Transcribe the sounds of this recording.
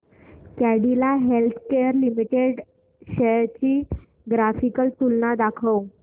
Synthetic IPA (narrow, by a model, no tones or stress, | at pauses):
kaɽilaɦelt̪ʰkeəɾlimiʈeɖ | ɕət͡ɕiː | ɡɾafikəlt̪ulnad̪akʰəw